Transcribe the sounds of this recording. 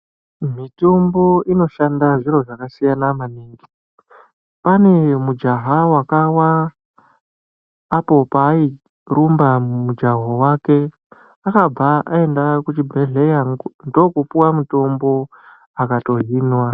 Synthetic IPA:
mito̞mbo̞ino̞ʃandaʐiɾo̞ʐakasijanamaniːŋɡi̥ | pane̞mud͡ʒaɦawakawa | po̞paːi | rumbamumud͡ʒaɦowake̞ | akab͡vaʔa̰e̞ndakut͡ʃibʱeɮejaŋndo̞kupuwamuto̞mbo̞ | akato̞ɦiːnwa

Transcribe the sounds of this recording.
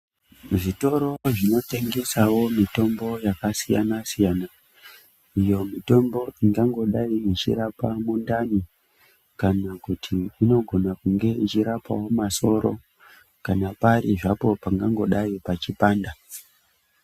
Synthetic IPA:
ʐito̞ɾo̞ʐino̞te̞ŋɡe̞sawo̞mito̞mbo̞jakasija̰nasijaːna | ijo̞mito̞mbo̞iŋɡaŋɡo̞ɗaiit͡ʃḭɾapamundani | kanakutʰiːno̞ɡʱo̞nakuŋɡe̞it͡ʃiɾapa̰wo̞maso̞ɾo̞̰ | kanapaɾiʐapo̞paŋɡaŋɡo̞ɗaipat͡ʃipaːnda

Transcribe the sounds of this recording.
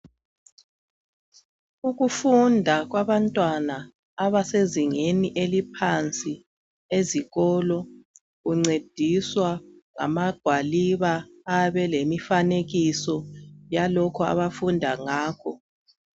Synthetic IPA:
uɣufundʱaɣwaβantʼwanaː | βaseziŋeniʔelipʰant͡sʼi | eziɣɔlɔ | ɣuŋ͡ǀed̥ʱiswaŋa̰maɡ̥ʱwaliβaː | βɛlemifaneɣisɔjalɔkʰɔa̰βafundʱaŋaːkʰɔ

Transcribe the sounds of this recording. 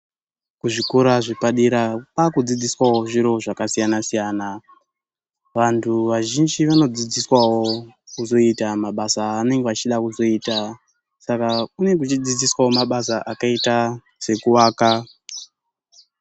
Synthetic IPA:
kuʐikuɾaʐipaɗiɾapakud͡zid͡ziswawo̞ʐiɾo̞ʐakasijanasijaːna | ʋantʰuʋaʒind͡ʒiʋano̞d͡zid͡ziswawo̞kuzo̞itamaɓasaːne̞ŋɡeat͡ʃiɗakuzo̞iːta | sakaune̞kut͡ʃid͡zid͡ziswawo̞maɓasaʔakaita | se̞kuwaːka

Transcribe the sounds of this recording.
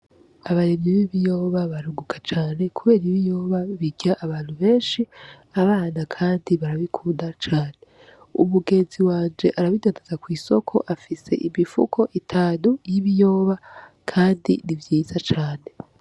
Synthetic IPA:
aβaɾimɲiβiβijo̞ːβaβaɾuɡukʰḁt͡ʃaːne̞kuβe̞ːɾiβijo̞ːβaβiɟjaʔːβaːn̥huβe̞ːnʃi | aβaːnakʰaːndiβaɾaβikʰuːndat͡ʃaːne̞ | ṵmuɡe̞ːnziwaːnd͡ʒe̞ʔaɾaβidaːndazakwiːso̞kʰo̞̰ʔafise̞̰ʔimifṵkʰo̞ʔitʰanujiβijo̞ːβa | kʰaːndḭnivjiːzat͡ʃaːne̞

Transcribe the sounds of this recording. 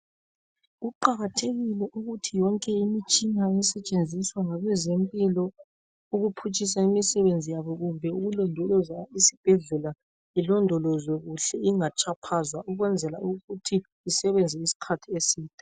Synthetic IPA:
ɣuǃaɣatʰeɣilɛʔuɣutʰijɔŋkʼɛimit͡ʃʼiŋaɛsɛt͡ʃʼend͡zʱiswaŋaɣwɛzempʼilɔ | uɣupʰut͡ʃʼis̬aimisɛβend͡zʱijaβɔɣumbʱɛuɣulɔndʱulɔzaisi̥b̥ʱɛɮula | ilɔndʱɔlɔzwɛɣuɬɛiŋat͡ʃʼapʰazwauɣwɛnd͡zʱɛlauɣutʰiː | sɛβɛnd͡zʱɛisi̥kʰatʰiesiːtʼḁ

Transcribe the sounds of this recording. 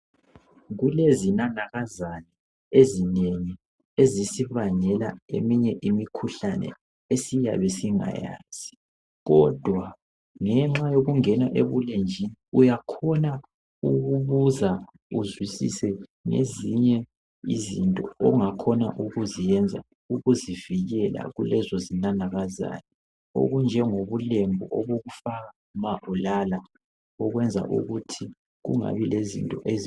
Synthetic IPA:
ɣulezinanaɣazanɛ | ezineŋi | ezisiβaɲɛlaemiɲɛʔimikʰuɬanɛ̰ | esija̰βɛsiŋa̰ja̰ːz̥i | ɣɔd̥ʱwa | ŋɛŋ͡ǁajoɣuŋɛnaʔḛβulend͡ʒʱiniujakʰɔna | uɣuβuza | uzwisḭsɛŋḛziɲɛ | ḭzintʼɔɔŋakʰɔna̰ʔuɣuzijɛnd͡zʱa̰ | uɣuziviɣɛla̰ɣṵlɛzɔzinanaɣaza̰jɔ | o̰ɣund͡ʒʱɛŋoβulembʱuʔɔβoɣufa | maʔulala | ɔɣwɛnd͡zʱa̰ʔṵɣutʰi | ɣṵŋa̰βilezḭntʼɔʔez

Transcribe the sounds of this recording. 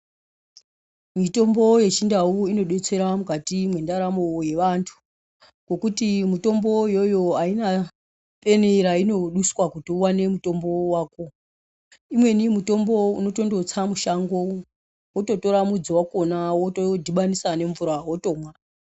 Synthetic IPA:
mito̞mbo̞je̞t͡ʃindauino̞ɗe̞t͡se̞ɾamukatimwe̞ndaɾamoje̞ʋantʰu̥ | ko̞kutimuto̞mbo̞jo̞jo̞aina | pe̞neɾaino̞ɗuswakutiwane̞muto̞mbowaːko̞ | imwe̞nimuto̞mbo̞uno̞to̞ndo̞t͡samuʃaŋɡo̞ | woto̞to̞ɾamud͡zowako̞nawotodʱiɓanisane̞ɱvuɾaɦo̞to̞ːmwa

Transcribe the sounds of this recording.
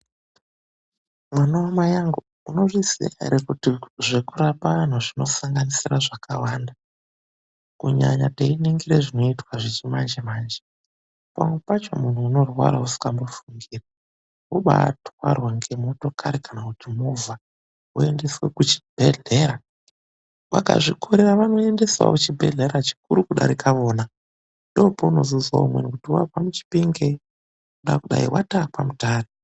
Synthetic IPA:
mwanaomajaŋɡu | uno̞ʐisḭaɾekutiʐe̞kurapan̤uʐino̞saŋɡanisiraʐakʰa̰wanda | kuɲa̰ɲa̰teineŋɡiɾeʐino̞itwaʐet͡ʃimand͡ʒemaːnd͡ʒe | pa̰mwe̞pat͡ʃo̞̰mun̤uːno̞rwa̰ɾausu̥kambofuŋɡiːra | oɓa̰twarwaŋɡe̞mo̞to̞kʰaɾekanakutimovʱa | ue̞nde̞swekut͡ʃi̥b̥ʱe̞ɮe̞ɾa | wa̰ka̰ʐikʰo̞ɾe̞ɾaʋano̞e̞nde̞swa̰kut͡ʃibʱe̞̰ɮe̞ɾat͡ʃi̥kuɾukuɗa̰ɾikʰaʋo̞ːna | ndo̞pouno̞zuzwa̰umwenikutiwapamut͡ʃi̥piŋɡe | uɗa̰kuɗa̰ḭwa̰tapamutaːto

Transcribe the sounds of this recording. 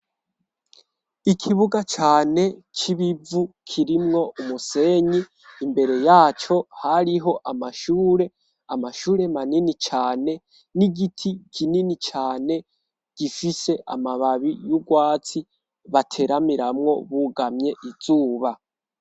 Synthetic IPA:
ikʰiβuɡat͡ʃaːne̞kʰiβivukʰiɾimŋo̞ʔumuse̞ːɲiː | mbe̞ɾe̞jaːt͡ʃo̞haɾiɦo̞ʔamaʃuːɾe̞ | amaʃuːɾe̞maninit͡ʃaːne̞ | niɡitʰikʰininit͡ʃaːne̞ | ɡ̥ifise̞ʔa̰maβaβijuɡwaːt͡si | βatʰe̞ɾamiɾamŋo̞βuɡamɲe̞ʔiz̥uːβa

